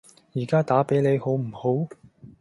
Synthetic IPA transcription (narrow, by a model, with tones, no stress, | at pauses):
jiː˨˩kaː˥t̪aː˨˥pe˨˥jle˨˧jho˨˥wm̩˨˩ho˨˥w